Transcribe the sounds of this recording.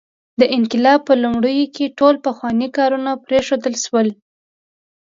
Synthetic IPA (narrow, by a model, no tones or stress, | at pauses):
d̪əʔɪnkɪlɑb̚pːəlumɽəjokeʈolpəxwɑnikɑɾunapɾeʃod̪əlʃwəl